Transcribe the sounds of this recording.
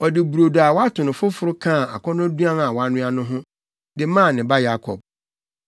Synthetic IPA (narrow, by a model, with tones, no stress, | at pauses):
ɔ˨dɪ˨bu˨ɾo˨da˨wa˦tʰʊ̃˨nʊ̃˨fʊ˦fʊ˦ɾʊ˦kʰãː˦˨a̰˨kʰɔ̃˦nʊ̃˦du˦ã˦n˨a˨wa˨˦nʊ̃˦a˦nʊ̃˦ɦʊ̃˦ | ddɪ˦mã˦˨nɪ̃˨ba˦ja˦kʰɔ̰˨b̥̚